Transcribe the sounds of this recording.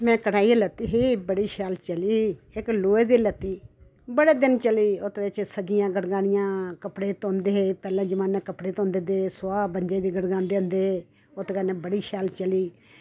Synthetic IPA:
mɛ̃ːkəɽaːielət̪ːiːɦiːbəɽiːʃaːlt͡ʃəliːɪkloːeːd̪iːlət̪ːiː | bəɽeːd̪ɪnt͡ʃəliːʊt̪ʋet͡ʃsəd͡ʒɪjãːɡəɽɡaːɽɪjãːkəpɽeːt̪õːnd̪eːɦeːpɛːlãːd͡ʒəmaːnːaːkəpɽeːt̪õːnd̪eːd̪eːsʊaːbəɲd͡ʒeːd̪iːɡəɽɡãːnd̪eːɦʊ̃nd̪eːɦeː | ʊt̪ːkənɛːbəɽiːʃaːlt͡ʃəliː

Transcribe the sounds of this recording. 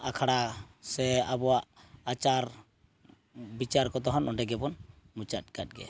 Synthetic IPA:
akʰaɽasɛabɔwaʔat͡ʃaɾ | bit͡ʃaɾkɔt̪ɔɦɔnɔɖɛɡɛbɔn | mut͡ʃat̚ɡat̚ɡɛ̰

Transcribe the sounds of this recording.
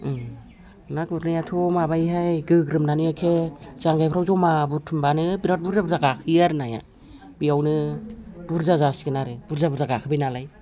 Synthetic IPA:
nakuɾnajatʰomabajɦajɡɯɡɾɯmnanɯjakʰezaŋɡajpʰɾawzɔmabutʰumbanɯbiɾat̚buɾzabuɾzaɡakʰɯjaɾɯnaja̰ | bijawnɯb̥uɾzazasi̥ɡɯnaɾɯb̥uɾzabuɾzaɡakʰɯbajnalaj

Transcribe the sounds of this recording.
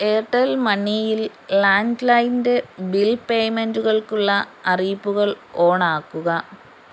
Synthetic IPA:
eːʈːɐlmɐnːijil | laːndlɐjndebilpejmenduɣɐɭkuɭːɐɐriːpːuɣɐɭo̞ːɳaːkːuɣɐ

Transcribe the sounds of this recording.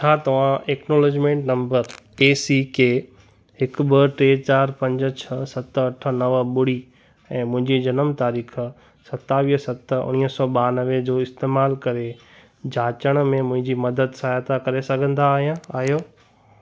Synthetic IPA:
t͡ɕʰaːt̪ɐʋ̤ãeːknoːloːd͡ʑmẽːɳʈnɐ̃mbəɾeːsikeː | ɦɪkbəʈɾeːt͡ɕaːɾpɐ̃ɲd͡ʑət͡ɕʰɐsɐt̪ɐʈʰə̆nɐʋɓʊɽi | ɛ̃ːmʊ̃ɦɪ̃ɲd͡ʑid͡ʑɐnəmt̪aːɾiːkʰ | sɐt̪aʋiːsɐt̪ə̆ʊ̰ñiəsɔːɓaːnɐʋed͡ʑoːɪst̪eːmaːlkɐɾe | d͡ʑʱaːt͡ɕəɽ̃mẽmʊ̃ɦɪ̃ɲd͡ʑimɐd̪əd̪sajaːt̪akɐɾesɐɡʱə̃nd̪aːɦijãaːɦijoː

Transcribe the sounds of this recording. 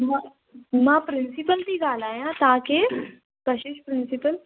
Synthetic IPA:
mã | mãːpɾɪnsipəlt̪iːɡaːlaːjãːt̪aːke | kəʃɪʃpɾɪnsɪpəl

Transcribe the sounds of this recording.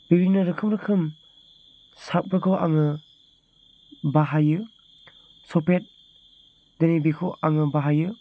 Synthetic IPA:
biɾinɯɾɯkʰɯmɾɯkʰɯm | sap̚ɾɯkʰɯwʔa̰ŋɯ | baɦajɯ | sɔpet̚ | denibikʰɯwʔaŋɯbaɦajɯ

